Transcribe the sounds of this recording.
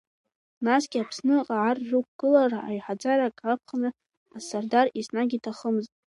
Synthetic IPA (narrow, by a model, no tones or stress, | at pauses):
nasɡʲiapʰsnɨqʼaʕarːukʷɡ̥ɨlaraajħad͡zaɾakʰʼrap̚ʰχanɨ | asardarisnaɡʲitʰaχəmɨztʼ